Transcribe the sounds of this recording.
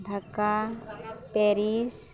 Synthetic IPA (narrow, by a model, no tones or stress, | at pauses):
ɖʱaka | peːɾis